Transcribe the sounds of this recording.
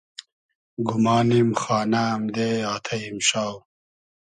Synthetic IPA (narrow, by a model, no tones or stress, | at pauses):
ɡumaːnimxɑːnamd̪eaːt̪ʰɐimɕaːw